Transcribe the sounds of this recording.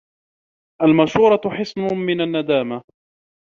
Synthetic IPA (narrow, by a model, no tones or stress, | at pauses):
ʔalmaʃuːɾˤɑħɪsnʊmɪnanːad̪aːma